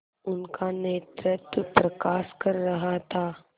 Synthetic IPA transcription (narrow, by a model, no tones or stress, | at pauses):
ʊnkaneːt̪ɾɪt̪pɾɐkaːskɐɾːɐɦat̪ʰaː